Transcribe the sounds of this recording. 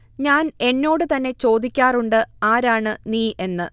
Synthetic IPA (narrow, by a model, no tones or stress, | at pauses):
ɲaːne̞nːo̞ːɽɨt̪ɐnːe̞t͡ɕo̞ːd̪ikʲːaːruɳɖɨaːɾaːɳɨniːʔe̞nːɨ